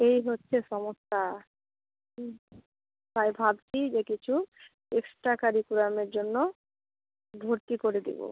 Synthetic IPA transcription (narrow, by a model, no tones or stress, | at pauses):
ejɦotːɕʰeʃɔmosa | t̪ajbʱabt͡ɕʰid͡ʑekit͡ɕʰu | eksʈɾakaɾikuɾameɾd͡ʑonːo | b̪ʱoɾt̪ikoɾed̪ḭbo̰